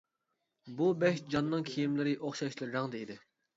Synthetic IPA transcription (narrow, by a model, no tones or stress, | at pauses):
bubɛʃd͡ʒɑnːɨŋkʲʰijimlɪɾɪʔoχʃɑʃlˠɨɾɾɑŋd̪ɨid̪ɪ